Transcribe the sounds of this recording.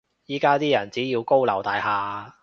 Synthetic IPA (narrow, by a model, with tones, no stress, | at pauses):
jiː˨˥kaː˥t̪iː˥jɐ˨˩nt͡siː˨˥jiː˧wko˥wlɐ˨˩wt̪aː˨˧jɦaː˧